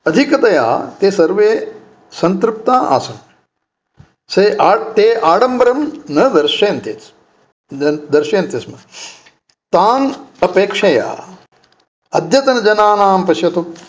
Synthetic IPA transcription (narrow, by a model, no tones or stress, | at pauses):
ɐd̪ʱikɐt̪ɐja̰ːt̪eːsɐɾʋeː | sɐnt̪ɾup̚t̪aːʔa̰ːsɐm | sɐʔaːt̪eːʔaːɽɐmbɐɾɐmnɐd̪ɐɾʃeːnt̪jet͡s | d̪ɐɾʃeːɐnt̪jɐsmɐ | t̪aːnɐpeːkʂɐja̰ː | ɐd̪ʱjɐt̪ɐnɐd͡ʒɐnaːnaːmpɐsjɐt̪u